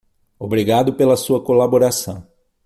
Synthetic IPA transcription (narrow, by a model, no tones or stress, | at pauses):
obɾiɡad̪ʊpelɐsuɐkolaboɾasɐ̃w̃